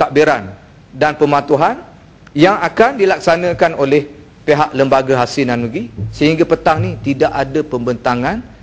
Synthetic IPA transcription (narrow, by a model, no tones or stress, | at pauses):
t̪aʔbiɾan | danpəmãt̪uɦan | jaŋakandilak̚sanə̃kanolɛh | peɦaʔləmbaɡaɦasɪnanuɡisəɦiŋɡapət̪aŋnit̪idaʔadapəmbənt̪aŋan